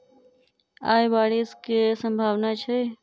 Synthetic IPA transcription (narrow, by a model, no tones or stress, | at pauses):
a̰ːjbaːɽiskesə̃mbʱaːʋnat͡ʃʰe